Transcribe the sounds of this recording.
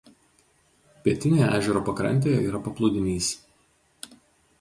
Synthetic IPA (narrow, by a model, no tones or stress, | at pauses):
pʲiɛt̪ʲɪnʲejæ̰ːʒʲɛɾoːpɐkɾɐ̰nʲt̪ʲejɛḭːɾɐpɐplˠʊd̪ʲɪnʲiːs